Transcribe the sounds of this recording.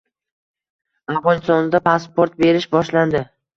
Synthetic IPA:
avʁɒnɪst̪ɒnɪd̪apʰaspoɾt̪̚be̞ɾɪʃbɒʃland̪ɪ

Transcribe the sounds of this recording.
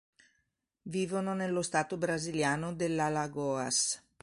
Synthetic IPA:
viːvononelːost̪aːt̪obɾaziljaːnod̪elːalaɡɔːa̰s

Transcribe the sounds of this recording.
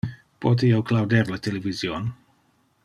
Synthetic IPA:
pot̪ijewklawd̪eɾlat̪elevizjon

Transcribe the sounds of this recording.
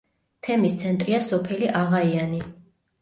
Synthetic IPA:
t̪ʰɛmist̪sʰɛnt̪ʼɾiasɔpʰɛliʔaʁaiani

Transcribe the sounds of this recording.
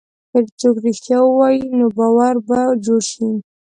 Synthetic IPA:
kəɾt͡sokɾɪxt̪jawəwɑjinobɑwaɾbad͡ʒoɽʃi

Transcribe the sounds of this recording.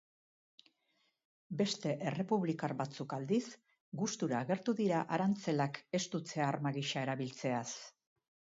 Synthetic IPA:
be̞st̪e̞ʔe̞re̞puβlikaɾbat͡sukald̪is | ɡust̪uɾaːɣe̞ɾt̪uðiɾaʔaɾant͡se̞lake̞st̪ut͡se̞aːrmaɣiʃae̞ɾaβilt͡se̞as

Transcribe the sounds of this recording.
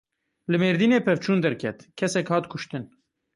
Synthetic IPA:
lɨmeːɾd̪iːneːpʰɛvt͡ʃʰuːnd̪ɛɾkʰɛt̪kʰɛsɛkhɑːt̪kʰʊʃt̪ɨn

